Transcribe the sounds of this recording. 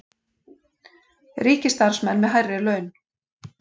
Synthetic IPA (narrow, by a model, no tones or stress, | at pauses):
riːcɪst̪aɾ̥smɛnːmɛðɦajrɪlœːɥn